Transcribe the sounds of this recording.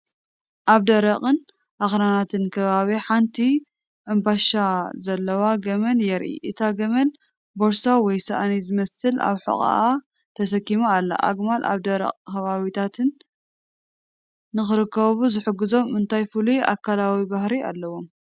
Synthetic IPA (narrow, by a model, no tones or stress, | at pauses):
ʔaβd̪ɐɾɐqʼɨn | ʔaxɾanat̪ʰɨnkʰɐβaβiħant̪ʰi | ʔɨmbaʃazɐlːɐwaɡɐmɐnjɛɾʔḭʔɨt̪ʰaɡɐmɐn | boɾsawɔjsɐʔanizɨmɐsɨla̰βħɨ̰χʼa̰ʔa | t̪ʰɐsɐkːimualːa̰ʔa̰ɡmalʔa̰βd̪ɐɾɐ̰qʼkɐβaβit̪ʰat̪ʰɨn | ɨxɨɾɨkːɐβuzɨħɨɡɨzo̞mɨnt̪ʰajfɨlujʔa̰kʰːalawibahɾia̰lːɐwo̞m